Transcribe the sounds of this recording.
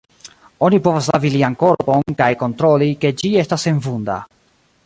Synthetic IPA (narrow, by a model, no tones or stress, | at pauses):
o̞nipo̞vaslaviliaŋko̞ɾponkajko̞nt̪ɾo̞like̞d͡ʒie̞stase̞nvunda̰